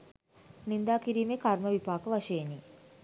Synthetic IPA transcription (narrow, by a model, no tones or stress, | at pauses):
nind̪aːkiɾiːmekarməʋipaːkəʋaʃəeni